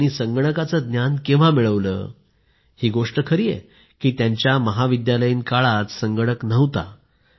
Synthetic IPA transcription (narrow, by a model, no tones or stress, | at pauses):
ɽ̃isəŋɡəɽəkat͡səd̪njankẽʋ̤amiɭəʋlə̰ː | hiːɡoʂʈəkʰəɾiːjḛ | kiːt̪jaɲt͡ɕjaməɦaʋid̪jaləjinkaɭat̪səŋɡəɽəknəʋt̪a̰